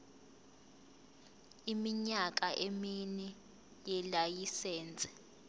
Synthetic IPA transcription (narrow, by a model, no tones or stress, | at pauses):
imiɲak̬ʼaʔeminɛ | jɛlajisɛːnd͡zʱʼɛ̥